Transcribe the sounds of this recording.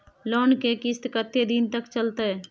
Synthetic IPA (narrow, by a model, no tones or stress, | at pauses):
lɔːnkekɪst̪kət̪ːed̪int̪əkt͡ʃəlt̪e